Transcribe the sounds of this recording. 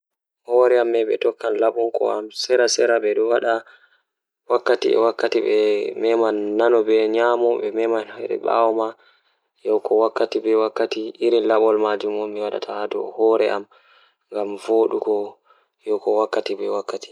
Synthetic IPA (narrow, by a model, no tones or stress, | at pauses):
hɔɾɛamːɛɓɛ̰tɔkːanlaɓuŋkɔ̰amsɛɾasɛɾabɛɗɔwaɗa | wakːatiɛ̰wakːatiɓɛmɛmanːanɔbɛɲamɔɓɛmɛmanhajɗɛ̰ɓa̰wɔma | jɔwkʰɔwakːatibɛwakːatiʔiɾinlaɓɔlmad͡ʒumɔmiwaɗa̰tʰahadɔhɔɾɛʔam | ŋɡamvoːɗukɔ | jɔwkɔwakːatibɛwakːati̥